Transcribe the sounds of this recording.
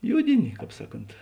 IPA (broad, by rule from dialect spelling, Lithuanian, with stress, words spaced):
ˈjʊdʲɪnʲɪ ˈkɑːp ˈsɑːˌkoːnt